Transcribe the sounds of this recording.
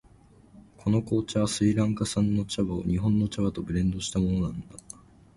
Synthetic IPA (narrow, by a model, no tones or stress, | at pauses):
kʰo̞no̞ko̞ːt͡ɕaβasɨiɾãŋkasãnːo̞t͡ɕaβao̰ɲ̟iɦõ̞nːo̞t͡ɕaβat̪o̞bɯ̟ɾẽ̞nd̪o̞ɕi̥t̪amo̞no̞nãnd̪a